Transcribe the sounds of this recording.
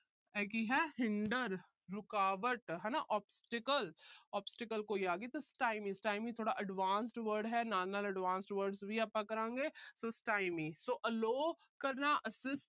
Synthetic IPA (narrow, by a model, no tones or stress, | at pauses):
ɛːkiɦɛɦɪ̃ɳɖəɾː | ʊkaːʋəʈɦɛːnaʔɔːpsʈɪkəlɔːpsʈɪkəlkojaːɡit̪osʈaːɪmisʈaːɪmit̪ʰoːɽaʔɐɖʋãːns̬ʈʋəɾɖɦɛnaːnəlɐɖʋãːnsʈʋəɾɖsbʱiaːpãkɐɾãːŋɡeːsosʈaːɪmĩsoːʔɐloː | kɐɾnaʔɐsɪsʈ